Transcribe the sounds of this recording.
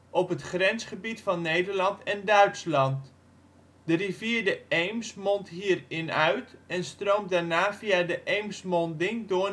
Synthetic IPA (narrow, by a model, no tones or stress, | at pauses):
ʔɔpɦətχrɛnsχəbitfɑnːejdəɹlɑntɛndœɥtslɑnt | dəriviədəejmsmɔntɦiːrɪnœɥtɛnstroːmdaːɹnaːfijadəʔejmsmɔndɪŋdʊː